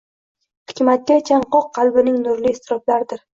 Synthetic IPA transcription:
hɪ̥kʲmat̪̚kʲat͡ʃʰaɴqɒq̚ːɑlˠbɪnɪŋnʊɾliːst̪ʰɪɾɒblaɾd̪ɪɾ

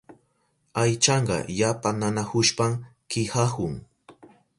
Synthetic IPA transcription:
ajt͡ʃɑɴɢɑ̰japananahʊʃpamkɪhahʊŋ

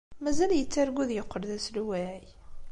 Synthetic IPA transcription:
mæzæljət͡sːæɾɡuðjəqːəɾðæsluwæʕi

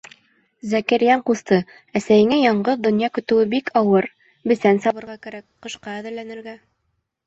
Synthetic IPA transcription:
zækæɾjæɴqust̪ɤ | æsæjɘ̆ŋæjɑɴɢɤðd̪ŏnjɑkɵ̆t̪ɘ̆wɘbikʰɑwɤɾ | bɘ̆sænsɑβɤ̆ɾʁɑkæɾæk̚qɤ̆ʃqɑæðɘ̆ɾlænɘ̆ɾɡæ

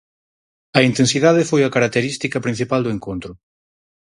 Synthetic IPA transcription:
ɐint̪ẽnsiðaðɪfojɐkaɾak̚t̪eɾist̪ikɐpɾin̟θipald̪ʊeŋkont̪ɾʊ

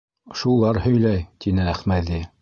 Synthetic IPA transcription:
ʃulˠɑɾhɵ̆jlæjt̪ʰinɘæχmæði

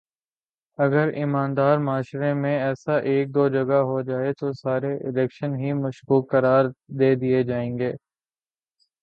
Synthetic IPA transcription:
ɐɡəɾɪmaːnd̪aːɾmaːʃɾemẽɛːsaʔeːk̚d̪oːd͡ʒɐɡaɦod͡ʒaːet̪osaːɾeʔɪlɛːkʃənɦimɐʃkuːkːɐɾaːɾd̪eːd̪ijed͡ʒaːẽːŋɡeː

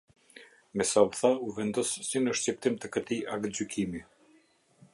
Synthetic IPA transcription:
mɛsauθauvɛnd̪ɔssinəʃt͡ɕip̚t̪imt̪əkət̪iʔakd͡ʑykʰimi

